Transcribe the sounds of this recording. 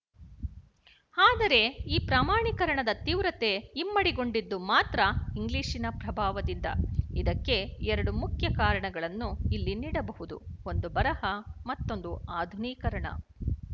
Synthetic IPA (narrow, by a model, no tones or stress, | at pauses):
aːd̪ɐɾe̞iːpɾaːmaːɳikɐɾɐɳɐd̪ɐt̪iːʋɾɐt̪e̞imːɐɽiɡo̞ɳɖid̪ːumaːt̪ɾɐiŋɡliːʂinɐpɾɐbʱaːʋɐd̪ind̪ɐ̰id̪ɐkːe̞ɛɾɐɽumukʰjɐkaːɾɐɳɐɡɐɭɐnːuilːiniːɽɐbɐɦud̪ṵo̞nd̪ubɐɾɐhɐmɐt̪ːo̞nd̪uaːd̪ʱuniːkɐɾɐɳɐ̰